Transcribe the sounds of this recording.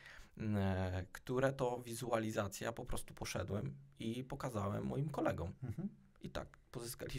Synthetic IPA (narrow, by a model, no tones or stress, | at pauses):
kt̪uɾɛt̪ɔvʲizualʲizat̪sʲjapɔpɾɔst̪u̥pɔʂɛ̰d̪wɛmipɔkazawɛmːɔjimkɔlɛɡɔm | ʔit̪a̰kpɔzɘska̰lʲi